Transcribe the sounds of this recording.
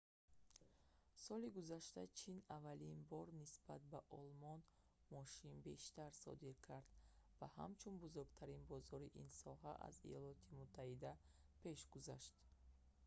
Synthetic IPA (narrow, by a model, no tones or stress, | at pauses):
sɔliɡuzaʃt̪at͡ʃʰinavalinbɔɾnisb̥at̪̚baʔɔlmɔn | mɔʃinbe̞ʃt̪aɾsɔ̰d̪iɾkʰaɾd̪̥vaha̰mt͡ʃʰunbuzuɾɡt̪ʰaɾinbɔzɔɾiʔinsɔɦaʔa̰zḭjɔlɔt̪ʰimut̪ʰːahid̪apʰe̞ʃɡuza̰ʃt̪